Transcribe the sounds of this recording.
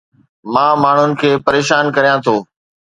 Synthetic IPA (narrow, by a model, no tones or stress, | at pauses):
mãːmaːɳ̤ʊnɪ̆kʰeːpɐɾeːʃaːnkɐɾijãt̪ʰoː